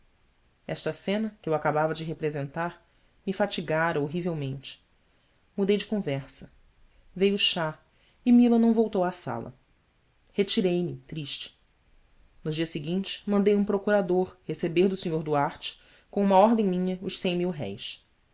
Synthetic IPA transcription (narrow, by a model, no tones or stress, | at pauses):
ɛʃt̪ɐsẽnɐkɪewakabavɐd͡ʒɪɦepɾezẽnt̪aɾ | mifat͡ʃiɡaɾɐoɦivewmẽnt͡ʃɪ̥ | mud̪ejd͡ʒɪkõvɛχsɐ | vejuʃa | imilɐnɐ̃w̃vowt̪owasa̰lɐ̰ | het͡ʃiɾejmɪt̪ɾiʃt͡ʃɪ̥ | nʊd͡ʒiɐsɪɡĩnt͡ʃɪ̥mɐ̃nd̪ejũpɾokuɾad̪oɾhesebeɾd̪ʊsiɲoɾd̪uaɾt͡ʃɪ̥ | kõũmɐɔɾd̪ẽj̃mĩɲɐʊʃsẽj̃miwɦɛ̰js